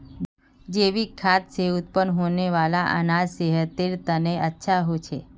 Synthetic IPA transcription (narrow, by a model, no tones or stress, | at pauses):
d͡ʒeʋikʰat̪ʃeut̪̚pənɦoneʋalaʔə̰nad͡ʒseɦət̪eɾt̪əneətːʃʰaɦot͡ʃʰe